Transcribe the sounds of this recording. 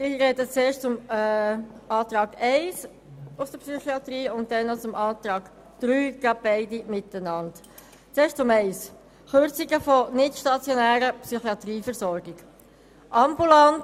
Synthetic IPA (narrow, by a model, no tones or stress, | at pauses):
ɪɾɛdət͡seːɾʃtt͡sʊm | ɑːtɾɑːɡɛɪs | ʊfd̥əpsyχiɑtɾiːʊnt̚dɛnːot͡sʊmʔɑːt̪ɾɑːɡ̥ | d̪̥ɾyːɡ̥ɑb̥ɛɪdimɪtənɑnt | t͡seːʃtt͡sʊmɛɪs | χøɾt͡siɡəfɔnɪtʃtɑt͡sjonæːɾəpsyχiɑt̪riːfəɾsɔɾɡɪɡ̥ | ʔɑmbulant